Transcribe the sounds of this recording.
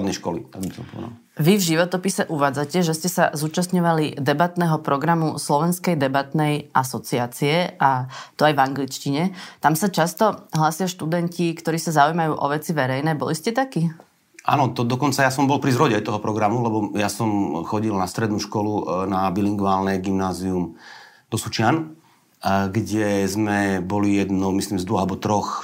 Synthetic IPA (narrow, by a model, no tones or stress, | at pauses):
d̪nɛʃkɔlit̪aɡbisɔmpɔ̰d̪a̰l | ʋivʒiʋɔt̪ɔpisɛʔuʋaːd͡zacɛʒɛscɛsazuːt͡ʃast̪ɲɔʋalid̪ɛbat̪nɛːɦɔpɾɔɡɾamuslɔʋɛnskɛjd̪ɛbat̪nɛjʔasɔt͡siaːt͡siɛʔat̪ɔajvaŋɡlit͡ʃciɲɛt̪amsat͡ʃast̪ɔɦlaːsɪaʃt̪ud̪ɛncikt̪ɔɾiːsazaujmajuːʔɔʋɛt͡siʋɛɾɛjnɛːbɔ̰liscɛt̪aki | ʔa̰nɔt̪ɔd̪ɔkɔnt͡sajasɔmbɔlpɾizɾɔɟɛajt̪ɔɦɔpɾɔɡɾamulɛbɔjasɔmxɔɟilnast̪ɾɛd̪nuʃkɔlunabiliŋɡʋaːlnɛɡimnaːziumd̪̥ɔsut͡ʃɪan | ɡɟɛzmɛbɔlijɛd̪nɔʊmisliːmzd̪ʋɔɣalbɔt̪ɾɔx